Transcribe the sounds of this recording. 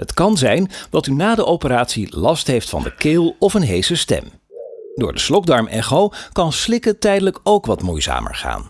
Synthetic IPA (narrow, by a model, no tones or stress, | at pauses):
ɦətkɑnzɛjndɑtynaːdəʔowpəɾaːtsilɑstɦejftfɑ̰ndə̰kɪːlˠɔfənɦejsəstɛ̰m | dʊ̰ːɹdəslɔɡ̚dɑɹmʔɛ̰χowkɑnslɪkətɛjdələkowkʋɑtmujza̰ːmə̰ɹχa̰ːn